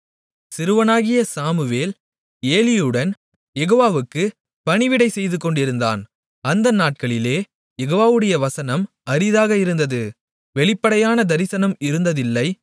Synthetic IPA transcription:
sɪɾɯʋɐnaːɣɪjɐsaːmɯʋeːl | eːlɪjɯɽɐn | jɛɣoːʋaːʋɯkːɯ | pɐɳɪʋɪɽɐɪsɛjðɯkːɔɳɖɪɾɯnd̪a̰ːn | ɐnd̪ɐnaːʈ̚kɐɭɪleː | jɛɣoːʋaːʋɯɽɐjɐʋɐsɐnɐm | ɐɾɪðaːɣɐɪɾɯnd̪ɐðɯ | ʋɛɭɪpːɐɽɐjaːnɐd̪ɐɾɪsɐnɐmɪɾɯnd̪ɐðɪlːɐɪ

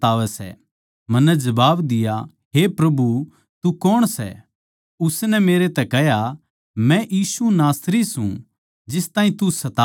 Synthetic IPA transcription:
aːʋɛsɛ̰ | mɐnːɛd͡ʒɐbaːbd̪ɪja | ɦepɾɐbu | t̪ukɔɽ̃sɛ̰ | ʊsnɛmeːɾet̪ɛkɛɦja | mɛ̃jiːsunaːsɾisũ | d͡ʒɪst̪aːĩt̪usɐt̪a

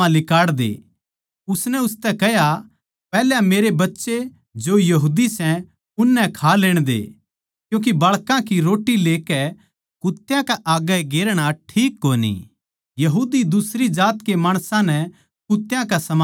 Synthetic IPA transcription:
ãlɪkaːɽd̪ḛː | ʊsnɛʊst̪ɛkɛɦja | pɛːlameːɾebɐtːʃe | d͡ʒoːjɐɦuːd̪isɛ̃ | ʊnːɛkʰaleːɽ̃d̪ḛ | kjũːk̬ibɐɭkãkiɾoːʈːileːkɛ | kʊt̪ːjãkɛʔaːɡɛɡeːɾɽ̃aʈʰiːkːoːnḭ | jɐɦuːd̪id̪ʊsɾid͡ʒaːt̪kemaːɽ̃sãnɛ | kʊt̪ːjãkasɐm

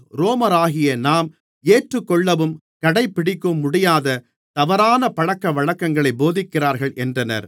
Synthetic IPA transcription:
ɾoːmɐɾaːɣɪjɐnaːm | eːʈrɯkːɔɭːɐʋɯm | kɐɽɐɪpːɪɽɪkːɯmːʊɽɪjaːðɐ | t̪ɐʋɐɾaːnɐpɐɻɐkːɐʋɐɻɐkːɐŋɡɐɭɐɪboːðɪkːɪraːɾɣɐɭʔɛndrɐnɐ̰ɾ

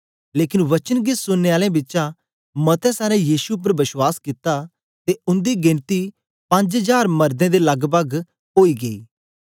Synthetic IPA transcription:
leːkɪnʋɐt͡ʃənɡɪsʊnːeːaːlẽbɪːt͡ʃã | mɐt̪ɛsaːɾɛ̃jiːsup̬ːəɾʋɪswaːskɪt̪a | t̪eʊ̃nd̪iɡɪ̃nt̪i | pɐ̃ɲd͡ʒəd͡ʒaːɾmɐɾd̪ẽd̪elɐɡbəɡ | ɦoːiɡɐḭː

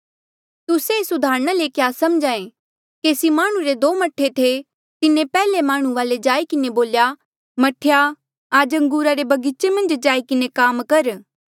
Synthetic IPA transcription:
t̪ʊsesʊd̪ʱaːɾɽ̃alekjaːsɐmd͡ʒaːẽ | kesimaːɽ̃ũɾed̪oːmɐʈʰːet̪ʰe | t̪ɪnẽpɛːlemaːɽ̃ũʋaːled͡ʒaːikɪneboːlja | mɐʈʰːja | aːd͡ʒɐ̃ŋɡuːɾaɾebʱɐɡɪt͡ʃemɐ̃nd͡ʒd͡ʒaːikɪnekaːmkɐɾ

